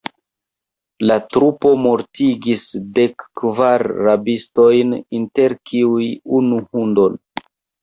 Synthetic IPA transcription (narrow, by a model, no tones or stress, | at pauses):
latɾupo̞mo̞ɾtiɡisde̞kːvaɾːabisto̞jninte̞ɾkʰiujunuhundo̞n